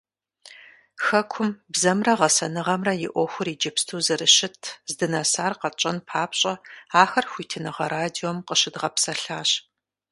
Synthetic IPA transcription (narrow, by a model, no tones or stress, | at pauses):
xɐkʷʰʊmbzɐmrɐʁɐsɐnɨʁɐmrɐjɪʔʷɔxʷʊɾiːd͡ʒɪpstʰuːzɨɾɨɕɪtʰzdɨnɐsaːrqɐt͡ʃʼɐnpʰaːpɕʼɐaːxɐrxʷiːtʰɨnɨʁɐɾaːdiomqəɕɪdʁɐpsɐɬaːɕ